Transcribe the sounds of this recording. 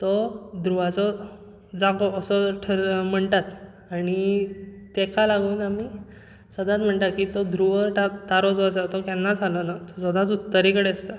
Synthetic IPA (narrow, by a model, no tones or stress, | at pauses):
t̪ɔd̪ʱɾuʋat͡sɔ | d͡zãkɔəsɔʈʰəɾm̤əɳʈ̪at̪ | aɽ̃it̪ekʰalaɡuːnami | səd̪ʱãt͡sm̤əɳʈ̪at̪̚kit̪ɔd̪ʱɾuʋəɾʈat̪aɾɔt͡sɔəsat̪ɔkɛnːad͡zʱalənat̪ɔsəd̪ãt͡sut̪ːəɾikəɽeəst̪a